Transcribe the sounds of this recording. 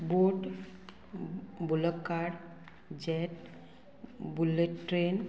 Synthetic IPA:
boʈ | buləkkːaɽ | d͡ʑɛʈ̚ | buleʈːɾen

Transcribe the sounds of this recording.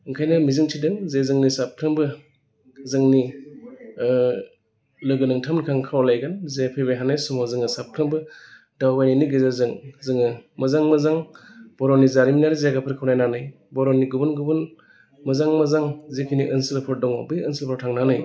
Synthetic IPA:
ɯŋkʰajnɯmizɯŋtʰidɯŋzezɯŋnisap̚tʰɯmbɯ | zɯŋni | lɯɡɯnɯŋtʰamnkʰaŋkʰawlajɡanzepʰebejɦanajsumazɯŋɯsap̚tʰɯmbɯ | dawbajniniɡɯzazɯŋzɯŋɯmɐzaŋmɯzaŋb̥ɔɾɔnizaɾiminaɾizeɡapʰɯɾkʰɯwnajnanɯj | bɔɾɔniɡubɯnɡubɯn | mɯzaŋmɐzaŋzekʰiniʔənsilpʰɔɾdɔŋa̰bɯjənsilpʰɔɾtʰaŋnanɯj

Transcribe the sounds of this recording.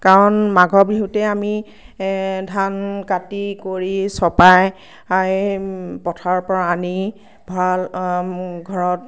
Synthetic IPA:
kaɹɔnmaɡʱɔbiɦutɛami | dʱankatikoɹisɔpaj | ajpɔtʰaɹpɔɹaːni | bʱal | ɡʱɔɹɔt̚

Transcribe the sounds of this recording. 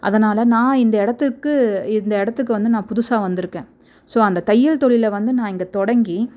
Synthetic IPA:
ʔɐ̰ðɐnaːlɐnãːɪnd̪ɐɪɽɐt̪ːɯkːɯɪnd̪ɐɪɽɐt̪ːɯk̬ːɯʋɐnd̪ɯnãːpʊðʊsaːʋɐnd̪ɪɾɯkːẽː | soːɐnd̪ɐt̪ɐjːɪlt̪ɔɭɪlɐʋɐnd̪ɯnãːɪŋɡɐt̪ɔɽɐŋɡi

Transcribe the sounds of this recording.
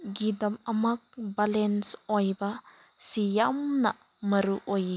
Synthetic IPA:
ɡidɐmɐmak̚balɛnsɔjbɐ | sijamnɐ | mɐɾuʔɔj

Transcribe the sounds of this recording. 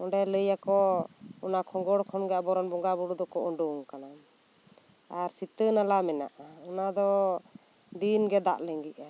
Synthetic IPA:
ɔɳɖɛləjakɔɔnakʰɔɡɔɽkʰɔnɡɛabɔɾɔnbɔŋɡabuɽud̪ɔkɔʔɔɳɖɔŋkanan | aɾsit̪ənalamɛna̰ʔaɔnad̪ɔ | d̪inɡɛd̪a̰ʔlɛŋɡiʔa

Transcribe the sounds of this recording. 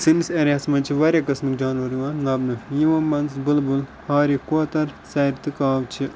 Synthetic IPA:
sinsɐɾɐsmɐt͡ʃʰiʋɐɾʲakɐsmikd͡ʒaːnʋɐɾiʋaːnnɐbnɨjiʋɐbɐnzbulbul | haːɾikoːt̪ɐɾsɐɾt̪ɨkaːʋt͡ʃʰi

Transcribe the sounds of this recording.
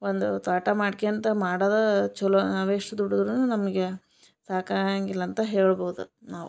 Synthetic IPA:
ond̪ut̪ɐːʈɐmaːɽkejɐnt̪ɐmaːɽaːd̪ɐt͡ʃɔlɐnɐʋeːʂɐd̪uɽud̪ɾununɐmɐɡe | saːkaŋɡilːɐːnt̪ɐɦeːɭboːud̪unaːʋṵ

